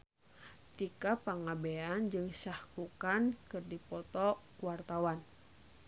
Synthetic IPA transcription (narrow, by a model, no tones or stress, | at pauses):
t̪ikapaŋabɛand͡ʒɨŋsahkukankɨrdipɔt̪ɔkuwart̪awan